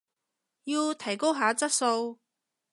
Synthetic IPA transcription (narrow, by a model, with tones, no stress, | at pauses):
jiː˧wt̪ʰɐ˨˩jko˥wɦaː˨˧˥t͡sɐ˥t̚so˧w